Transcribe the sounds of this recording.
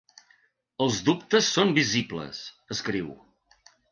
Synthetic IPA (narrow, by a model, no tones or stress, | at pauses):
əlˠzðup̚t̪əsːombiziblə̰s | əskɾiw